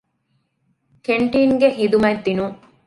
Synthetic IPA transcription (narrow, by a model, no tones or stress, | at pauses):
keɳʈiːŋɡeɦid̪umɐd̪ːinu